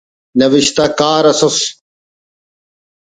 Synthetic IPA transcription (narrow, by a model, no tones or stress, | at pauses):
nɐʋiɕt̪akaːɾɐsos